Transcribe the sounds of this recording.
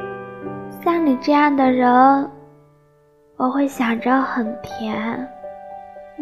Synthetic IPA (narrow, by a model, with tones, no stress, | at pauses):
ɕjɑ˥˩ŋni˨˩ʈ͡ʂɤ˥˧jɑ˥˩ŋd̪ə˩ɻə˧˥n | wɔ˨˩xwe˥˩ɪɕjɑ˨˩ŋʈ͡ʂə˥˧xə˨˩npʰjɛ˧˥n